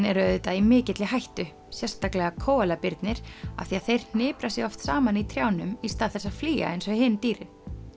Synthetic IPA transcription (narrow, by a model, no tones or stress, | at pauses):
nɛɾœðɪt̪aimɪːcɪt̪lɪɦajht̪ʏ | sjɛ̥st̪aklɛɣakʰɔːwɛlapɪɾt̪nɪɾ̥a̰θiaθejɾ̥n̥ɪːpɾasjɛɣɔft̪saːmanit̪ʰɾjawnʏmist̪aːðθɛsafliːɣa̰ejnsɔɣhɪnt̪iːɾɪn